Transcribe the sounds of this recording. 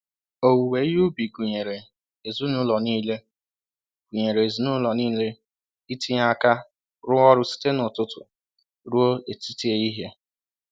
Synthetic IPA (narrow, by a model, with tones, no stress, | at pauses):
o˨wu˨we˨˦ju˦bi˨ɡu˨ɲe˨ɾe˨ | e˨zu˦nʊ˦lɔ˨niː˦le˦ | ɡ̥u˨ɲe˨ɾe˨e˨zu˨nʊ˦lɔ˨niː˦le˦ | i˦ti˦ɲa˦ka˦ | ɾʊ˦ɔ˦ɾʊ˦si̥˦te˦nʊ˨tʊ˦tʊ̰˨ | ɾu˦o˦e˨ti˦ti˦e˨i˦ɦe˦